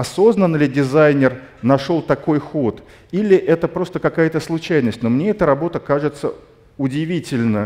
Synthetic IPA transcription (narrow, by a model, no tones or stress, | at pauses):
ɐso̞znənlʲɪdʲɪzajnʲɪrnɐʂo̞lˠt̪ɐko̞jxo̞t̪ | ilʲɪʔɛt̪əpɾo̞st̪əkɐkajət̪əslˠʊt͡ɕæjnəsʲtʲno̞mnʲe̞ɛt̪əɾɐbo̞t̪əkaʐɨt̪sə | ʊdʲɪvʲitʲɪlʲnə